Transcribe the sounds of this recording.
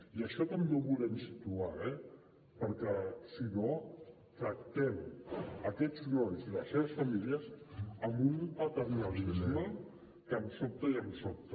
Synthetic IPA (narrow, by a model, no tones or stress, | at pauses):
iəʃɔt̪əmdoβulɛmsit̪uaɾɛ | pəɾkəsino | t̪ɾək̚t̪ɛməkɛd͡znɔnziləseβ̞əsfamiliəzəmbunpət̪ərminalisjo | kəmsop̚t̪əiəmsop̚t̪